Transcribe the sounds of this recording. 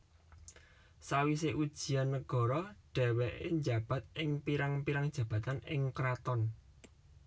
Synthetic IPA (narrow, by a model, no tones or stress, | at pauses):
sawis̬eʔud̥ʒ̥i̤anːəɡ̥ɔ̤ɾɔɖ̥ɛ̤wɛʔɪ̰ɲd͡ʒä̤b̥ä̤t̪̚ʔɪŋpiɾaŋpiɾaŋd̥ʒ̥ä̤b̥a̤t̪anɪŋkɾat̪ɔn